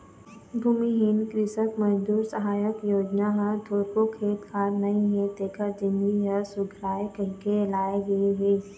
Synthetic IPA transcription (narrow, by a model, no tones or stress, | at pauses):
bʱuːmiɦɪnkɾɪsəkmɐd͡ʒd̪uːɾsɐɦaːjəkjoːd͡ʒnaɦɐ̃d̪ʱoːɾpokʰeːt̪kʰaːɾnɐɦĩɦẽt̪eːkəɾd͡ʒɪnɡiɦəsʊɡʱɾaːjkɐɾkelaːjeɡɐeɦeː